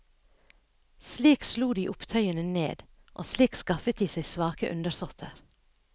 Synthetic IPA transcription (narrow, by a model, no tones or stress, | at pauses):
sliːksluːd̪iːʔʊpt̪ʰœʏənənḛːd̪ | ʔo̰ːsliːkskɑfət̪̚d̪iːsæɪsʋɑːkəʔʉ̰nd̪əɾsɔt̪ʰəɾ